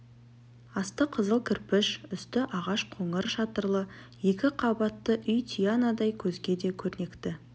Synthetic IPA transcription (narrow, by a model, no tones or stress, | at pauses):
ɑst̪əqʰəzəlˠkʲʰɪɾpɪʃʏst̪ɪʔɑʁɑʃqʰoɴəɾʃɑt̪əɾlˠəje̞kʲɪqʰɑbɑt̪ːəʔʏjt̪ʰʲijanad̪ɑjkʲʰɵzɡʲe̞d̪e̞kʲʰɵɾne̞kt̪ɪ